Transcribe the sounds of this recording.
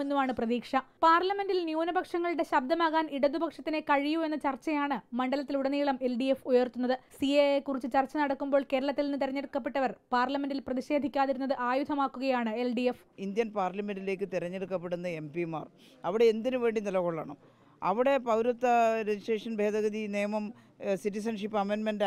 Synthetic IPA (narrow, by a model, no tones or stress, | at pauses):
enːumaːɳɨprɐðiːkʂɐpaːrlɐme̞nɖilnjuːnɐbɐkʂɐŋːɐɭɨɽe̞ɕɐb̚d̪ʱɐmaːɣaːniɽɐðubʱɐkʂɐt̪ːine̞kɐɻijue̞nːɐt͡ɕɐrt͡ɕːɐjaːɳɨmɐɳɖɐlɐt̪ːiluɽɐniːɭɐme̞lɖijefujɐrt̪unːɐðɨsiejekːurit͡ɕːɨt͡ɕɐrt͡ɕːɐnɐɽɐkːumbo̞ːɭke̞ːɾɐɭɐt̪ːilnːɨt̪iɾɐɲːeɽukːɐpːeʈːɐʋɐrpaːrlɐmenɖilprɐðiɕe̞ːd̪ʱikʲːaːðiɾunːɐðɨʔaːjud̪ʱɐmaːkːuɣɐjaːɳɨelɖijef | ind̪jɐnpaːrlɐmenɖile̞ːkːɨt̪iɾɐɲːeɽukːɐpːe̞ɽunːɐe̞mpima̰ːr | ɐʋiɽe̞ːnd̪inuʋe̞ːɳɖinilɐɣoɭːa̰ːɳɨ | ɐʋiɽe̞pɐʋɾut̪ːɐɾed͡ʑisʈreːʂɐnbʱe̞ːd̪ɐɣɐd̪ineːmɐm | siʈːisɐnʂipːɐmenmenɖ